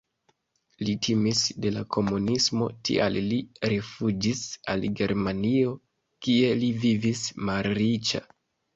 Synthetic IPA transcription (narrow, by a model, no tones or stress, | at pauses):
litʰimisde̞lakʰo̞munismo̞̰tʰḭa̰lliɾefud͡ʒisa̰lɡe̞ɾmanio̞ | kie̞livivismalɾit͡ʃa̰